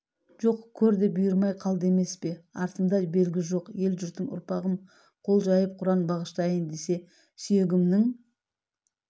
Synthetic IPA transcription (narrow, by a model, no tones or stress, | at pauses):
ʒo̞qkʲʰɵɾd̪ɪbʊjəɾmɑjqʰɑlˠd̪e̞me̞spe̞ɑ̰ɾt̪əmd̪ɑbe̞lɡʲɪʒo̞qje̞lʒʏɾt̪ɪnʊ̰ɾpɑʁəm | qʰo̞lˠʒɑjəp̚qʰʊɾɑnbɑʁəʃt̪ɑjənd̪e̞se̞ | sʏje̞ɡʲɪmnɪŋ